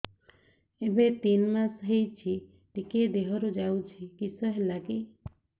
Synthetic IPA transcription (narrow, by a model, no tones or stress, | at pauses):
ebet̪inmasɦejt͡ʃʰi | t̪iked̪eɦɔɾud͡ʒawt͡ʃʰikisɔɦelaki